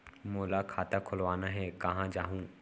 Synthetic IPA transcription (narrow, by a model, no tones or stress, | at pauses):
moːlakʰaːt̪akʰʊlʋaːnaɦɛkɐɦãːd͡ʒaːɦũː